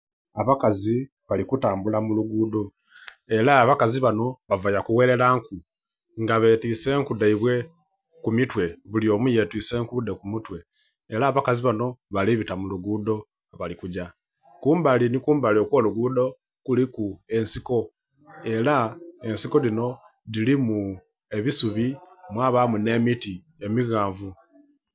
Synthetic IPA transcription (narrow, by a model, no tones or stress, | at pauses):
aβakazi | βalikutaːmbulamuluɡuːdo̞ | e̞ɾaːβakaziβano̞βavajakuwe̞ɾe̞laːŋku | ŋɡaβe̞ːtiːse̞ːŋkudeiβwe̞ | kumitwe̞βulio̞ːmuje̞tiːse̞ːŋkude̞kumutwe̞ː | ɾaːβakaziβano̞βaliβitamuluɡudo̞ | βalikuɟa | kuːmbalinikuːmbalio̞kwoluɡuːdo̞ | kulikue̞nsiko̞ | e̞lae̞nsiko̞ðino̞ | ðilimu | e̞βisuβimwaβamune̞miti | e̞miɣaːɱvu